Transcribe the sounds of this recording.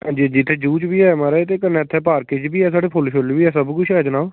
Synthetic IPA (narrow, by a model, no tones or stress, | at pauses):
ɦãːnd͡ʒid͡ʒɪt̪ʰːeːd͡ʒuːt͡ʃbiːɛːmaːɾaet̪̬eːkənɛːt̪ʰːɛːpaːɾkeːd͡ʒbiːɛːsaːɽeːpʰolʃolːbiːɛːsəbkʊʃʰɛːd͡ʒənaːo